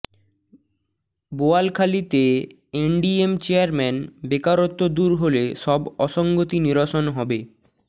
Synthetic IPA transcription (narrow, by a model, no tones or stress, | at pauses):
boalkʰalit̪e | eɳɖiemt͡ɕeaɾmɛnbekaɾot̪ːod̪uɾɦoleʃɔbɔʃɔŋɡot̪iniɾoʃonɦɔbe